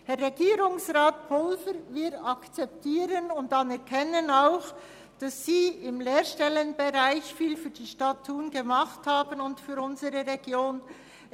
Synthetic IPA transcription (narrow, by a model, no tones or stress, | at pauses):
hɛɾːeɡiːɾʊŋsʁaːt̚pʰʊlvəɾvɪdɑkt͡sɛp̚tʰiːɾənʊntɑnɛʁkʰɛnənaʊx | d̥ɑsːiːɪmleːɾʃtɛlənbeʁaɪçfiːlfyːdiːʃtɑtʰːuːnɡəmɑχthaːbənʊntfyːɾʊnzəɾəʁeɡ̥joːn